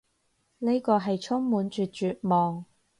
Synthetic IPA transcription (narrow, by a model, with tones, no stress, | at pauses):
ne˥jkɔː˧ɦɐ˨jt͡ʃʰʊ˥ŋmuː˨˥nt͡ʃyː˨˩t̚t͡ʃyː˨t̚mɔː˨ŋ